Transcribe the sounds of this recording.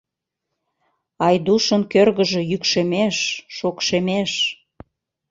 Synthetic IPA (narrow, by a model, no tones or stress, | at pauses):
ɑjd̪uʃənkørɣəʒĕjykʃemeʃːokʃemeʃ